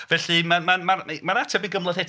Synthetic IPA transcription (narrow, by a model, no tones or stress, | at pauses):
vɛɬimamamamanatʰɛbiɡəmlˠəðhɛt